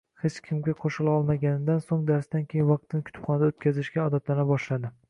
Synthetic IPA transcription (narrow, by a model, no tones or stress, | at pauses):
het͡ʃkʲʰɪmɡʲaqʰoʃɪlaɒlˠmaɡʲanɪd̪ansoŋd̪aɾsd̪ankʲʰejɪnvɑq̚t̪ʰɪnɪkʰʲʊt̪ʰɪ̥pχʰɒnad̪aot̪̚kʲʰazɪʃɡʲaɒd̪at̪lanɪbɒʃlad̪ɪ